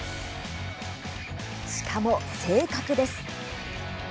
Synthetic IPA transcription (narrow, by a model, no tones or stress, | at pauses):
ɕi̥kʰamo̞se̞ːkakɯ̟d̪e̞sɨ̥